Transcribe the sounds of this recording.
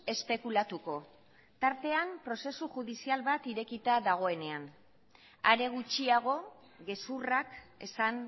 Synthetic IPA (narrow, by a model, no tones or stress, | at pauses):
e̞spe̞kulat̪uko̞ | t̪aɾt̪e̞ampɾo̞se̞suxuðisialβat̪iɾe̞kit̪aðaɣ̞o̞e̞ne̞an | aɾe̞ɣ̞ut͡ʃiaɣ̞o̞ | ɣe̞surake̞san